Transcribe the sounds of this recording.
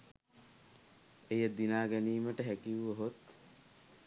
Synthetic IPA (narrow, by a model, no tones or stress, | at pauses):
ejəd̪inaːɡæniːməʈəɦækiʋuʋəɦot̪